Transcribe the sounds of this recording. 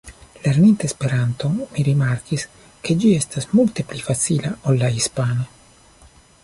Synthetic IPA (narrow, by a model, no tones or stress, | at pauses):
le̞ɾnint̪aespe̞ɾanto̞miɾimaɾkis | ke̞d͡ʒie̞stasmulte̞plifasilaolːaispana